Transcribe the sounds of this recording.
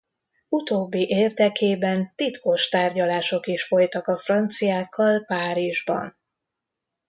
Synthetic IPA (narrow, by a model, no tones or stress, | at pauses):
ut̪oːbːiʔeːrd̪ɛkeːbɛnt̪it̪ko̞ʃt̪aːrɟɒlaːʃo̞kiʃfo̞jt̪ɒkɒfrɒnt̪sijaːkʰːɒlpaːɾiʒbɒ̰n